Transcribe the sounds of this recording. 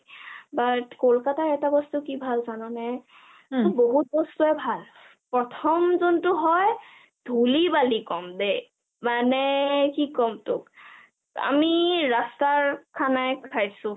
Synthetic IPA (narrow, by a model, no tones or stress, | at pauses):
batkolkataɹɛtabɔstukibʱalzanɔnɛ | tʊboɦut̚bɔstuɛbʱal | pɹɔtʰɔmzɔntʊɦɔj | dʱulibalikɔmde | manɛkikɔmtʊk | a̰miɹastaɹkʰanajkʰajsʊ